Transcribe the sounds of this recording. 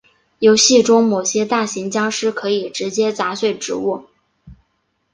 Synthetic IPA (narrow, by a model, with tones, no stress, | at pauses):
jo˧˥ʊɕi˥˩ʈ͡ʂʊ˥ŋmo˨˩ʊɕjɛ˥t̪a˥˩ɕi˧˥ŋt͡ɕjɑ˥ŋʂɻ̩˥kʰɤ˧˥i˨˩ʈ͡ʂɻ̩˧˥t͡ɕjɛ˥t͡sa˧˥ɕwe˥˩ɪʈ͡ʂɻ̩̰˧˥u˥˩